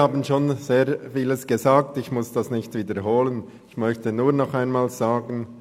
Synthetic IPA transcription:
haːbənʃoːnz̥eːɐfiːləsɡ̥ezaːk̚tɪçmʊsd̥asnɪçtviːdəɾɦoːlən | ɪçmœçtənuːɐnɔχaɪnmaːlz̥aːɡən

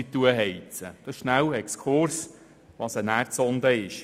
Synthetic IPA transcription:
it̪ːuəɦɛjt͡səd̥̪ɑsʃnæwɛkskʰʊɾs | ʋɑsənæːɾt͡sɔnd̪əɪʃ

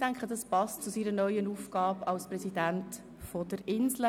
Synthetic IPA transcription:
tæŋkχədɑspɑstt͡susiːɾənœʏənuːfɡ̥ɑːbɑlsprɛsidænt | fɔdəɾɪnslə

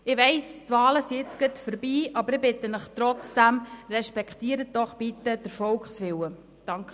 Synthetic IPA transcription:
ɪʋɛɪstvɑːləsiɪt͡sɡ̥ətfəɾbiːʔɑbəɾɪbɪt̪ənəχt̪ɾɔt͡sd̥æmrɛʃpɛkχt̪iːəɾət̚d̥ɔχb̥it̪əd̥əɾfɔlkχsʋɪwə | d̥ɑŋk

